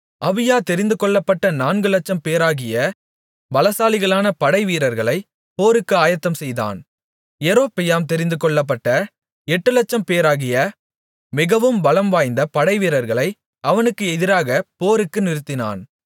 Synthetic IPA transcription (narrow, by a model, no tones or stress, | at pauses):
ʔɐʋɪjaːt̪ɛɾɪnd̪ɯkɔɭːɐpːɐʈːɐnaːnɡɯlɐt͡ʃːɐmpeːɾaːɣɪjɐ | bɐlɐsaːlɪɣɐɭaːnɐpɐɽɐɪʋiːɾɐɾɣɐɭɐɪ | poːɾɯkːɯaːjɐt̪ːɐmsɛjða̰ːn | ɛɾoːpːɛjaːmt̪ɛɾɪnd̪ɯkɔɭːɐp̬ːɐʈːɐ | ɛʈːɯlɐt͡ʃːɐmpeːɾaːɣɪjɐ | mɪɣɐʋɯmbɐlɐmʋaːjnd̪ɐpɐɽɐɪʋiːɾɐɾɣɐɭɐɪ | ɐʋɐnɯkːɯɛðɪɾaːɣɐpoːɾɯkːɯnɪɾɯt̪ːɪna̰ːn